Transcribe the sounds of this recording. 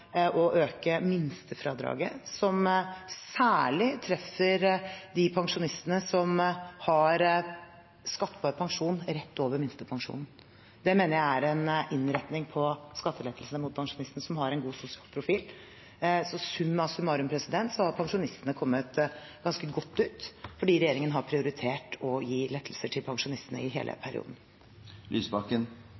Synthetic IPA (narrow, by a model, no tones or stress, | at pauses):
ʔɔʔøːkəmɪnst̪ʰəfɾɑːd̪ɾɑ̰ːɡə̰sɔmsæːɭɪt̪ʰɾɛfːəɾd̪ɪpʰɑŋʂʊnɪst̪ənəsɔmhɑɾ | skɑt̪ːəbɑːɾpʰɑŋʂuːnɾɛt̪ʰːoːʋəɾmɪnst̪əpʰɑŋʂṵːnn̩ | d̪ɛmeːnəɾjæɪæɾɛnʔɪnɾɛt̪nɪŋpʰɔskɑt̪ːəlɛt̪ʰːəlsnəmʊt̪̚pʰɑŋʂʊnɪst̪nəsɔmhɑɾɛnɡuːsʊsɪɑːlpʰɾʊfiːl | sɔsʉmːɑsʉmːɑɾʉmpʰɾɛsɪd̪ɛnt̪sɔhɑɾpʰɑŋʂʊnɪst̪ənəkʰɔmːət̪ɡ̥ɑnskəɡɔt̪ːʉːt̪fɔɖiːɾɛjeːɾɪŋənɦɑɾpʰɾɪʊɾɪt̪ʰeːʈɔjiːlɛt̪ʰːəlsəʈʰɪlpʰɑŋʂʊnɪst̪ənə̰ɪɦḛːlʔə̰pʰæɾɪ̰ṵd̪n̩ | lʔy̰ːsbɑkən